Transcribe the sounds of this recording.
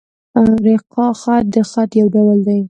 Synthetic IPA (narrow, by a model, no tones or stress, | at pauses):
ɾeqɑxat̪̚d̪əxat̪jawɖawald̪aj